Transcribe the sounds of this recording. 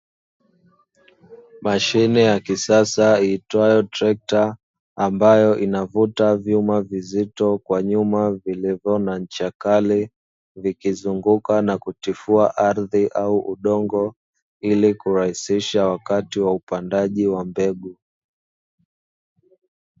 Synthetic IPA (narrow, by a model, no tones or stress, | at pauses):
maʃinɛjakisasaitwajɔtɾɛk̚taː | mbajɔʔinavutavjumavizitɔkwaɲumavilivjɔnaɲ̩t͡ʃakali | vikizuŋɡukanakutifuaʔaɾðiʔauʔuɗɔŋɡɔ | ilikuɾahisiʃawakatiwaupandaʄiwambɛɡu